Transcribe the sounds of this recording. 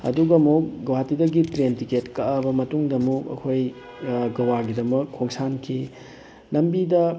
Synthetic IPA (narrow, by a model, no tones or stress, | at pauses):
ɐ̰duɡɐmuk̚ɡɐwatidɐɡitɾentiketkɐʔabɐmɐtuŋdɐmuɐ̰kʰoj | ɡɐwaɡidɐmɐkʰːoŋsankʰi | lɐmbidɐ